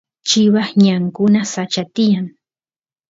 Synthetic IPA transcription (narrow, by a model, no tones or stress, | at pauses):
t͡ʃɪwaχɲaŋkʊnasat͡ʃat̪ɪjaŋ